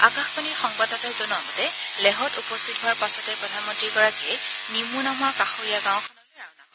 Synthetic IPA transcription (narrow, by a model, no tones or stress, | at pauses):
akãxpaniɹxɔŋbatɔtɛzɔnuaɡɔtɛlɛɦɔtupɔstʰitɦʊaɹpasɔtɛɹpɹɔdʱanmɔ̃ntɹiɡɔɹakiɛnimunamaɹkaxoɹijaɡãw̃kʰɔnɔɹaa